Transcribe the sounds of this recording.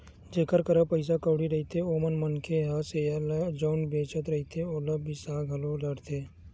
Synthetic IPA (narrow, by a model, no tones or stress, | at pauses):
d͡ʒeːkəɾkəɾəpəɪs̬akəːɽiɾɐɦit̪eoːmənmənkʰeɦaselad͡ʒəʊnbeːt͡ʃət̪ɾɐɦit̪ʰeoːləbʱisaːɡʱɐloɖəɽt̪ʰeː